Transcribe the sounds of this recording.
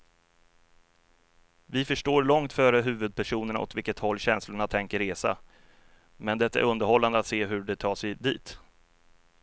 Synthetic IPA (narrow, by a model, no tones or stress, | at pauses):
vɪfœʂʈoːɾɭɔŋt̪fœːɾəɦʉ̟ːvɵd̪̚pʰæʂuːnəɳa̰ʔɔ̰t̪vɪlkət̪hɔlːɕɛnslʊɳat̪ʰɛŋkəɾeːsa̰ | mɛnd̪ɛt̪ːaæ̰ɾɵnd̪əɾhɔlːand̪əat̪seːɦɵɖɛt̪ʰɑːʂɛjd̪iːt̪